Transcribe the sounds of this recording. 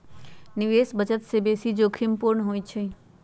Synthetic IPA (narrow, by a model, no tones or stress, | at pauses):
niʋesbəd͡ʒət̪sebesid͡ʒokʰimpuɾɳəɦojt͡ʃʰe